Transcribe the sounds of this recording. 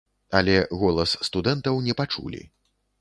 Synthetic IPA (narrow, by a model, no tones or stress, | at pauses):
ɐ̰lʲɛɣɔlˠɐsːt̪ud̪ɛnt̪ɐwnʲɛpat͡ʂṵlʲḭ